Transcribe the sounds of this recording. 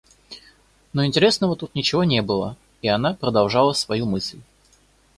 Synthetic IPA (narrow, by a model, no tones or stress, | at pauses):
noɪnʲtʲɪɾʲesnəvət̪ut̪nʲɪt͡ɕɪvonʲe̞bɨlˠə | ianapɾəd̪ɐlˠʐalˠəsvɐjumɨsʲlʲ